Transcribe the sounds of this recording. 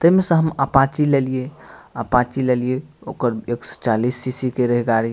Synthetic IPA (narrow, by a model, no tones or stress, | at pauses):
t̪əɦmesə̃ɦəmapãt͡ʃilelijeapãt͡ʃilelijeokəɾekst͡ʃalisːisikeɾəɦiɡaɾi